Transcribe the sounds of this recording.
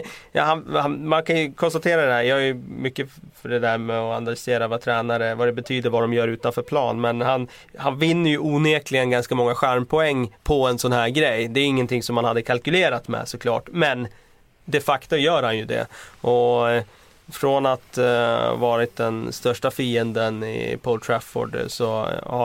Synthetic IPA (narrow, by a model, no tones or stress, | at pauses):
jɑ̰hanhanmankʰanjɵkʰɔnst̪at̪ʰeːɾad̪ɛhæːɾjɑːhajɵmʏkːəfœɖɛd̪æɾmɛɔa̰nalʏseːɾavat̪ʰɾɛːnaɾəvad̪ɛbɛt̪ʰyːd̪əɾvad̪ɔmjœːɾʉ̟ːt̪anfœːɾpʰlɑ̰ːnmɛnhan | hanvɪnːəɾjɵuːneːklɪɡənɡanskamɔŋːaɧæɾmpʰɔɛŋːpʰɔɛnsɔnhæːɾɡɾɛjːd̪ɛæɾɪŋːənt̪ʰɪŋsɔmhanhad̪ːəkʰalkɵleːɾat̪mɛ̰sɔkʰlɑ̰ːʈmɛn | d̪ɛfakt̪ʊmjœːɾhanjɵd̪ɛ̰ʔɔ | fɾɔnat̪vɑːɾɪt̪̚d̪ɛnst̪œʂʈafiːənd̪ənɪ̰pʰolt̪ʰɾafɔ̰ɖsɔ